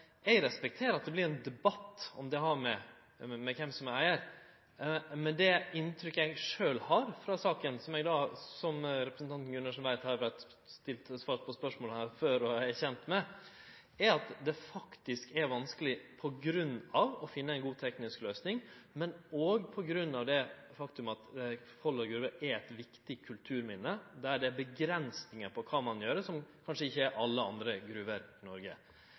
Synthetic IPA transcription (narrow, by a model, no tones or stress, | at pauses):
ɛɾɛspɛk̚t̪ʰeːɾɑt̪̚d̪ɛblɪɾɛnd̪ɛbɑt̪ːɔ̰md̪ɛhɑɾmɛ | mɛkʰɛmsɔmææɪəɾ | mɛnd̪ɛɪnt̪ʰɾʏkːəæɪɡʂøːlhɑɾfɾɑsɑːkənsɔmɛɡd̪ɑːsɔmɾɛpɾəsn̩t̪ʰɑnt̪n̩ɡʉnɑʂɔnʋæɪt̪hɑɾbæɪt̪ | st̪ɪlt̪sʋɑːɾpʰɔspœʂmoːləhæɾføɾɔæɾçɛnt̪mɛ | æɾɑt̪d̪ɛfɑkt̪ɪskɛɾʋɑnskəlɪpʰɔɡɾʉnːɑʋɔfɪnːəæɪnɡuːt̪ʰɛknɪskløːsnɪŋmɛnɔɡpʰɔɡɾʉnːɑʋd̪ɛfɑkt̪ʉmɑt̪ | fɔlːəɾɡɾʉːʋəæɾæt̪ʋɪkt̪ɪkʰʉlt̪ʰʉːɾmɪnːəd̪æɖɛæbəɡɾɛnsnɪŋəpʰɔkʰɑmɑnjøːɾəsɔmkʰɑnʂəɪçːəæɾʔɑlːəɑ̰nd̪ɾəɡɾʉʋəɾɪnɔɾɡə